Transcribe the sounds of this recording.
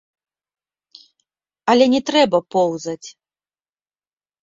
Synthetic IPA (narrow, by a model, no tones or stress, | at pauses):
ɐlʲɛnʲɛt̪ɾɛbɐpɔwzɐt͡sʲ